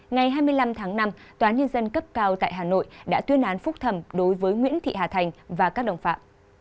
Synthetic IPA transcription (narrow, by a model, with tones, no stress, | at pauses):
ŋa˨˩jɦaː˧jmɨ˧əjla˧mt̪ʰaː˨˦ŋna˧mt̪waː˨˦ɲə˧nzə˧nkə˦˥p̚kaː˧wt̪a̰ː˧˨jɦaː˨˩no̰˧˨jɗa̰ː˧˥t̪wi˧˦ənʔaː˨˦nfʊ˦˥k͡p̚t̪ʰə˧˩mɗo˨˦jvəː˨˦jŋwḭ˧˥ənt̪ʰḭ˧˨haː˨˩t̪ʰa˨˩jŋ̟vaː˨˩kaː˦˥k̚ɗə̰˧˨ŋ͡mfaː˧˩p̚